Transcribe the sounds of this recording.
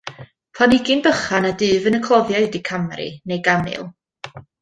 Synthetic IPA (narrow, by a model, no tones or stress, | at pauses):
pʰanɪɡɪnbəχanadɨːvənəkʰlˠɔvjaɨdikʰamɛɾḭnejɡamɨ̰lˠ